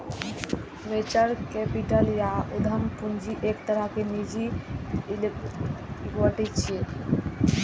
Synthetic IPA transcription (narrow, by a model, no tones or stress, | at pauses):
met͡ɕəɾkɛpiʈaljaud̪ʱəmpund͡ʑiʔekt̪aɾakenid͡ʑi | ikwaʈit͡ɕʰie